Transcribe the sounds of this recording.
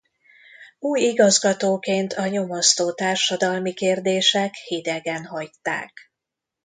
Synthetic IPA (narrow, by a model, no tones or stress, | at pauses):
uːjiɡɒzɡɒt̪oːkeːnt̪ʰɒɲo̞most̪oːt̪aːrʃɒd̪ɒlmikeːrd̪eːʃɛkhid̪ɛɡɛnɦɒjt̪ːa̰ːk